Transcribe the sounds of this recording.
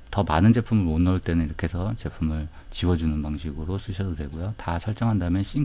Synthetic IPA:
tʌmanɯnd͡ʑe̞pʰumɯɾonʌɭt͈e̞nɯniɾʌkʰe̞sʰʌt͡ɕe̞pʰumɯɭ | t͡ɕiwʌd͡ʑunɯnpaŋɕʰiɡɯɾos͈ʰɯɕʰʌdodwe̞ɡojotasʰʌɭt͡ɕ͈ʌŋɦandamjʌnɕ͈ʰi

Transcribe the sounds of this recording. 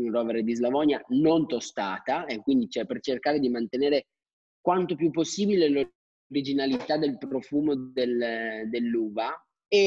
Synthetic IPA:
unrɔveɾed̪izlavɔnjanont̪ost̪aːt̪aekːwind̪it͡ʃɛpert͡ʃerkaːɾed̪imant̪eneːɾe | kwant̪opjupːosːiːbilelo | ɾid͡ʒinalit̪ad̪elpɾofuːmod̪eld̪elːuːva | e

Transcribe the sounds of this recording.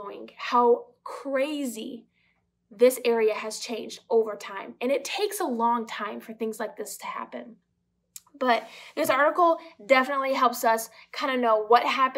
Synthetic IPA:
ʊɪ̰̃ŋhaʊ | kʰɹ̥eɪzi | ðɪsɛɹiɨɨz̥t͡ʃʰẽɪ̃nd͡ʒdoʊvə˞tʰãɪ̃mɨ̃ɾ̃ɨtʰeɪksəlɔ̃ŋtʰãɪ̃ɱfə˞θɪ̃ŋzlaɪk̚ðɪstʰɨhæ̰pɨ̃n | b̥ʌt̪̚ðɪsɑɹɾəkl̩ˠdɛfənətˡliɦɛlˠpsʌskʰãɪ̃ndɨnoʊwʌt̚ɦæpɨ̃

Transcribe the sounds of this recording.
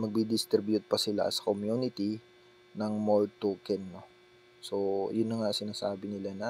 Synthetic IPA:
mɐɡ̚bid̪ɪst̪ɾɪbjʊt̪̚pɐsɪla̰sɐ̥komjunɪt̪i | nɐŋmolt̪okɛnːo | so̞jʊnːɐŋasɪnaːsaːbɪnɪlanɐ

